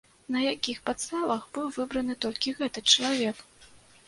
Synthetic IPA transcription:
nɐjakʲixpat̪st̪avɐxbɨwvɨbɾɐnɨt̪ɔlʲkʲiɣɛt̪ɨt͡ʂɐlˠavʲɛk

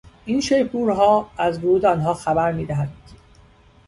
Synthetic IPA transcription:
ʔiːnʃejbuːɾɦɒːæzvoɾuːd̪eɒːnɦɒːxæbæɾmiːd̪æɦænd̪̥

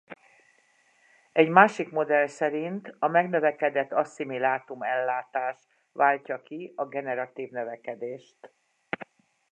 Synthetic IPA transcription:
ɛɟmaːʃikmo̞d̪ɛlsɛɾint̪ɒmɛɡnøvɛkɛd̪ɛt̪ːɒsːimilaːt̪umɛlːaːt̪aːʃ | ʋaːlcɒkiɒɡɛnɛɾɒt̪iːvnøvɛkɛd̪eːʃt̪

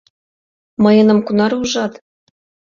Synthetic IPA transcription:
mɤ̆jɤ̆nɤ̆mkunɑɾuʒɑt̪

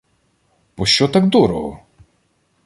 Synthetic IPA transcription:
b̥ɔʃt͡ʃɔt̪aɡd̪ɔɾɔɦɔ̰

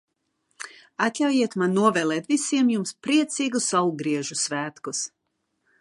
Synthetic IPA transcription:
at̪ʲlʲawjiɛt̪manːuɔvɛːlˠɛːt̪visiɛmjumspɾiɛt̪siːɡusawɡɾiɛʒusvæːt̪kus

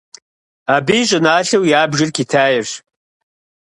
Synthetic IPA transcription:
abiɕʷʼɨnaːɬɨwjaːbʒɪrkʰitʰaːjɪrʂ

